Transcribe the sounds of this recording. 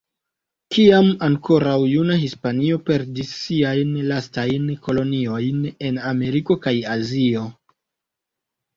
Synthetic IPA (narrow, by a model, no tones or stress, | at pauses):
kiamaŋko̞ɾawjunaɦispanio̞pe̞ɾdisːiajnlastajnko̞lo̞nio̞jne̞name̞ɾiko̞kajazio̞